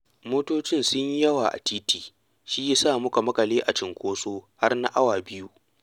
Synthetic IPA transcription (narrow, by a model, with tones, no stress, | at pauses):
moː˦toː˦t͡ʃɪ˦nsʊ˦ɲi˦jɐ˦waː˨ʔa̰˨tiː˦tiː˨ | ʃiː˦ja˦saː˦˨mʊ˦ka˨mɐ˦kɐ˨leː˦ʔa̰˨t͡ʃɪ˨ŋkʷoː˦soː˦ha˦rna˦ʔa˦waː˨bɪ˦ju˦